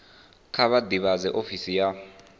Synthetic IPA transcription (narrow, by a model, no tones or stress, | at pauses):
kʰaβadiβazɛʔofisija